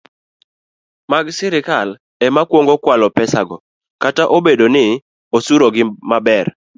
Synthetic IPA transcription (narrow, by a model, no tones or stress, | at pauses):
maɡsɪɾɪkal | ɛmakwoŋɡokwalɔpɛsaɡɔ | kataʔobedonɪ | osuɾoɡɪmabɛr